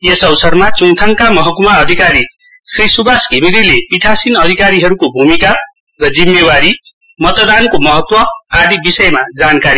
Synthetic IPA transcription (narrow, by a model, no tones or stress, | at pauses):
jesʌwsʰʌrmat͡suŋt̪ʰaŋkamʌɦʌkumaʌd̪ʱikaɾi | srisubasɡʱimiɾilepiʈʰasinʌd̪ʱikaɾiɦʌɾukobʱumika | rʌd͡zimːewaɾi | mʌt̪d̪ankomʌɦʌt̪wʌad̪ibisʌjmad͡zankaɾi